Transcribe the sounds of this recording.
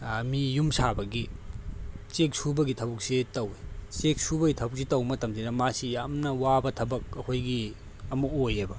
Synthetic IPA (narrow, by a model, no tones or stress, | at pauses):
mijumsabɐɡi | t͡ʃek̚subɐɡitʰɐbuk̚sitɐwet͡ʃek̚subɐɡitʰɐbuk̚sitɐwmɐtɐmsinɐmasijamnɐwabɐtʰɐbɐk̚ɐkʰojɡi | ɐmuk̚ojebɐ